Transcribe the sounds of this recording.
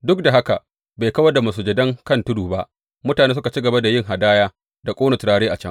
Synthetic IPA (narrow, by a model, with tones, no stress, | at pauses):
dʊ˦k̚da˨ɦa˦ka˨ʔ | beː˨jkɐ˦wɐ˦rda˨ma˨suː˨d͡ʒɐ˨dɐ˦ŋkɐ˦˨ntʊ˦duː˨ba˦ʔ | mʊ˦taː˨neː˦s̬ʊ˦ka˨t͡ʃi˦ɡɐ˨ba˦da˨jɪ˦˨ŋɦa˨daː˦jaː˦ | da˨kʷʼoː˦nɐ˨tʊ˨ɽaː˦ɽeː˦ʔa˨t͡ʃɐ˦ŋ